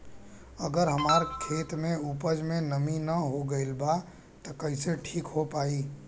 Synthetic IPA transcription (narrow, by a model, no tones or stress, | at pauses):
ɐɡəɾɦɐmaːɾkʰeːt̪mẽuːpəd͡ʒmẽnɐminɐɦoɡɐɪlba | t̪ɐkɐɪseʈʰiːkɦopaːiː